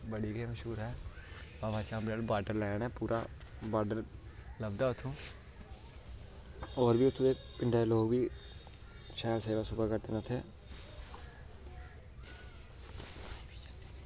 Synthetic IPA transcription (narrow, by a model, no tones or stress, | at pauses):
bəɽiːɡeːməʃuːɾɛːbaːʋaːt͡ʃãːmbɾəlbaːɖəɾlɛːɳɛːpuːɾʔa̰ːbaːɖəɾləbd̪aːʊt̪ʰːũː | oːɾbiːʊt̪ʰːõːd̪eː | pɪɳɖeːloːɡbiː | ʃɛːlseːʋaːsʊbaːɡəɾd̪enət̪ʰeː